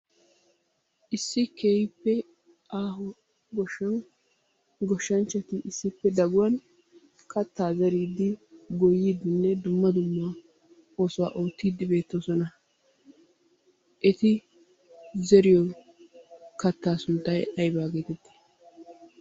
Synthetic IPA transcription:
ʔɪsːɪkejpːɛ | aːɦɔ | ɡɔ | ɡɔʃːɐnt͡ʃːɛt̪ɪʔɪsːɪpːɛd̪ɐɡʊwɐn | kɐt̪ːaːzɐɾiːd̪ːɪɡɔjːiːd̪ɪnːɛd̪ʊmːɐd̪ʊmːa | oːsʊwa̰ːʔoːt̪ːiːd̪ːɪbe̞ːt̪ːosɔnɐ | ʔɛt̪ɪ | zɛɾɪjɔ | kɐt̪ːaːsʊnt̪ːɐjɐjbaːɡeːt̪ɛd̪ːɪ̥

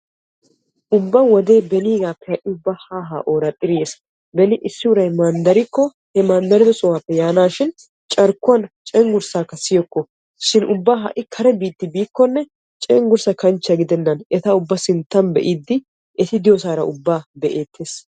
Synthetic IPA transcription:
ʔʊbːɐwɔd̪e̞ːbɛniːɡaːpːɛhɐʔɪʊbːahaːɦa̰ːʔoːɾɐt̪ʼɪɾjeːs | bɛnɪʔɪsːɪʊɾɐjmand̪ɐɾɪkːɔ | hɛmaːnd̪ɐɾɪd̪ɔsʼɔwaːpːɛjaːnaːʃɪn | t͡ʃʼɐɾkːʊwɐnt͡ʃʼɛŋɡʊɾsaːkːɐsɪjɔkːɔ | ʃɪnʔʊbːaɦɐ̰ʔɪkʰɐɾɛbiːt̪ːɪbiːkːɔnːɛ | t͡ʃʼɛŋɡʊɾsɐkɐnt͡ʃːɐɡɪd̪ɛnːɐnɛt̪ɐʊbːɐsɪnt̪ːɐnbɛ̰ʔiːd̪ːɪ | ɛt̪ɪd̪ɪjɔs̬aːɾɐ̰ʊbːaːbɛʔe̞ːt̪ʰːeːs

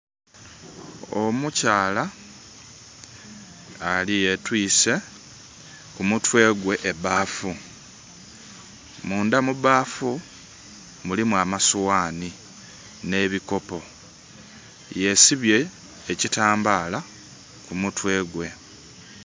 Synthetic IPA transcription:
omucaːla | alije̞twiːse̞ | kumutwe̞ːɡwe̞ʔːbaːfu | muːndamuβaːfu | mulimuamaswaːni | ne̞βiko̞po̞ | je̞siβje̞ː | citaːmbaːla | kumutwe̞ːɡwe̞

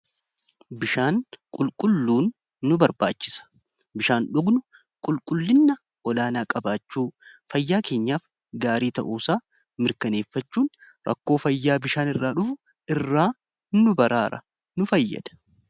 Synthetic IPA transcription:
bɪʃaːnkʼʊlkʼʊlːuːnː | ʊbɐɾba̰ːt͡ʃːɪ̥sɐ̥ | bɪʃaːnᶑʊɡnʊ | kʼʊlkʼʊlːɪnːɐ | ɔlaːnaːkʼɐbaːt͡ʃːuːfɐjːaːke̞ːɲːaːf | ɡaːɾiːt̪ɐ̰ʔuːsaː | mɪɾkɐne̞ːfːɐt͡ʃːuːn | ɾɐ̰kːo̞ːfɐjːaːbɪʃaːnɪrːaːᶑʊfʊ | ɪrːaː | nʊbɐɾʔaːɾɐ | nʊfɐjːɐ̰d̪̥ɐ̥

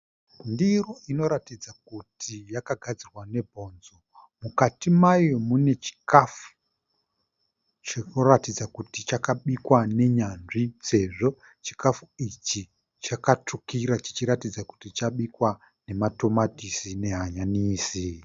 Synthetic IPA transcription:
ndiroino̞ɾatid͡zakutʰijakaɡʱad͡zirwane̞bʱo̞ːnzo | mukatimajo̞mune̞t͡ʃi̥kafu̥ | t͡ʃeoratid͡zakutit͡ʃakaɓikwane̞ɲanʐise̞ʐo̞ | t͡ʃi̥kafuit͡ʃi | t͡ʃakatukiɾat͡ʃi̥t͡ʃiɾatid͡zaku̥tit͡ʃaɓikwa | ne̞mato̞matisine̞ɦaɲaniːsi

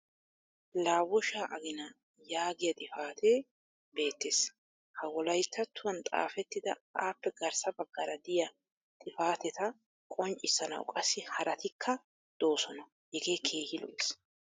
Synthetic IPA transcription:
laːwɔʃaːʔɐɡɪnɐ | jaːɡɪjɐt̪ʼɪfaːt̪ʰeː | be̞ːt̪ːeːs | hɐwɔlɐjt̪ʰːɐt̪ːʊwɐnt̪ʼa̰ːfɛt̪ːɪd̪ɐaːpːɛɡɐɾsɐbɐɡːɐɾɐd̪ɪjɐ | t̪ʼɪfaːt̪ɛt̪ɐ | kʼɔnt͡ʃʼɪsːɐnɐ̰w̰kʼɐsːɪhɐɾʔɐt̪ɪkʰːɐ | d̪̥o̞ːsɔnɐ | jɛɡe̞ːkʰe̞ːhɪlɔ̰s

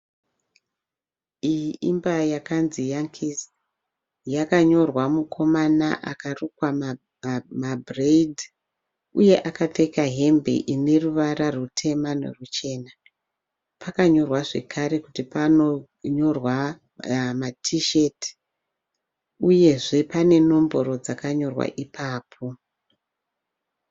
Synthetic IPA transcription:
ijimbajakanzijaŋkʰis | jakaɲo̞rwamukʰo̞mana̰ʔa̰karukwa | mabʱreid | uje̞ʔakatekaɦe̞mbḛʔine̞ruʋaɾarutʰe̞mano̰rut͡ʃe̞ːna | pʰakaɲo̞rwaʐe̞̰kʰaɾe̞kutipano | ɲo̞rwa | matʰiʃe̞ti̥ | uje̞ʐepane̞no̞mbo̞ɾo̞d͡zakaɲo̞rwa̰ʔipʰaːpʰo

